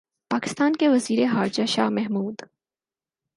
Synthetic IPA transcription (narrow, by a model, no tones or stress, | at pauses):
paːkɪ̥st̪aːnkeʋɐziːɾeɦaːɾd͡ʒaʃa̰ːmɛɦmuːd̪